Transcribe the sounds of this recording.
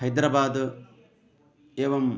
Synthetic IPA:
ɐjd̪ɾɐbaːd̪ | eːʋɐm

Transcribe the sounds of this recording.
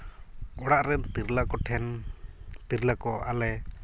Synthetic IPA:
ɔɽaʔɾɛnt̪iɾlakɔʈʰɛn | t̪iɾlakɔalɛ

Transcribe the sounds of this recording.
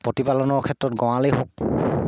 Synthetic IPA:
pɹotipalɔnɔɹkʰɛtɹɔtɡɔ̃w̃alejɦok̚

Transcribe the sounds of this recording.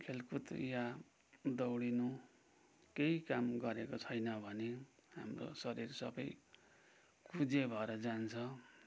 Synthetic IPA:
kʰelkʰut̪ja | d̪ʌwɽinu | keikamɡʌɾekot͡sʰʌjnʌbʱʌneɦa̰mro̰sʌɾirsʌ̰bʌj | kud͡zebʱʌeɾʌd͡zant͡sʰʌ

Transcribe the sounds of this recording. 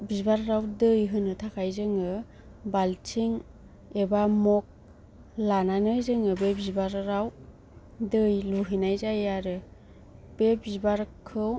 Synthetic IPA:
bibaɾɾawdɯjɦɯnɯtʰakʰajzɯŋɯ | baltʰiŋ | ebamɔk̚ | lananɯjzɯŋɯbebibaɾɾaw | dɯjluɦinajzajaɾɯ | b̥ebibaɾkʰɯw

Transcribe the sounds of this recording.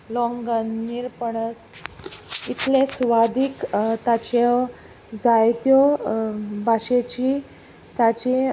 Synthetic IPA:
lɔŋɡənːiɾpəɳəs | it̪ʰlesʋad̪ikt̪at͡ɕe | d͡zajt̪jɔ | bʱaɕet͡ɕi | t̪at͡ɕi

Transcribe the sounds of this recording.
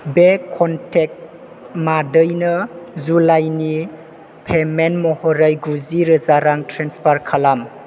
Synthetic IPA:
bekʰːɔntek̚t | madɯjnəzulajni | pʰemenmɔhɔɾajɡuziɾɯzaɾaŋtʰɾenspʰaɾkʰalam

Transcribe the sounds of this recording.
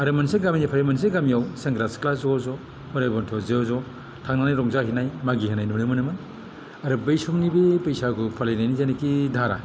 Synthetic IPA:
aɾɯmɐnseɡaminipʰaɾemɐns̬eɡamijawseŋɡɾasklasɔzɔ | pɔɾajbɔntʰɔzezɔ | tʰaŋnanajɾɔŋzaɦinajmaɡiɦinajnumnɯmɯnɯmɯn | aɾɯbejsɔmnibipejsakʰupʰalajnajnizajnɐkidʱaɾa̰

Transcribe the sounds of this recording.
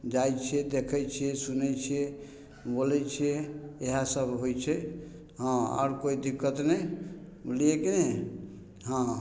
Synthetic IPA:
d͡ʒajt͡ʃʰiɛd̪ekʰɛt͡ʃʰiɛsunɛt͡ʃʰie | bolɛt͡ʃʰiɛeɦasəbɦojt͡ʃʰɛ | ɦãɔ̰ːɾkoid̪ikːət̪nɛ | liekenɛ | ɦã

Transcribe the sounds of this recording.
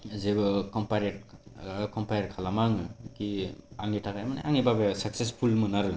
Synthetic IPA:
zebɯkɔmpaɾeɾ | kɔmpajɾkʰalamaŋɯkiaŋitʰakajmana̰ʔaŋibabesak̚sespʰulmɯnaɾɯ

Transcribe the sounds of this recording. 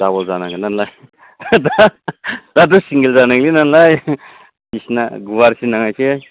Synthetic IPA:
dabɔlzanaŋlinanlaj | da | d̥adusiŋɡilzanaŋlinanlaj | bisna̰ɡuwaɾsinaŋajkʰe

